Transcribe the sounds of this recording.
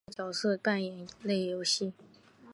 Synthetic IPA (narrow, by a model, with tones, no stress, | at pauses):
t͡ɕjɑ˨˩ʊsɤ˥˩p̪a˥˩njɛ˧˥nle˥˩ɪjo˧˥ʊɕi˥˩